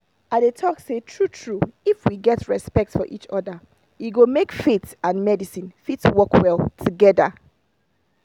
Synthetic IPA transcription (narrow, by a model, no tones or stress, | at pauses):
aɪdetʰɔksetʰɹutʰɹuifwiɡɛtɹɛspɛk̚tfɔʔit͡ʃɔdə | jiɡomekfetãnmɛdisĩnfitwɔkwɛlˠtʰuɡɛdə̰